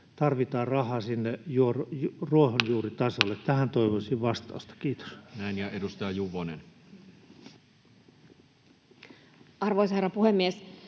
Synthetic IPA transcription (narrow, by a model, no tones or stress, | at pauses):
t̪ɑrʋit̪ɑːrrɑhɑːsinːejuorruohonjuːrit̪ɑsolːet̪t̪æhænt̪oiʋosiʋʋɑst̪ɑ̰ust̪ɑ̥kiːt̪o̥snæˑinjɑʔedust̪ɑjɑjuʋonen | ɑrʋoisherɑpuhemːies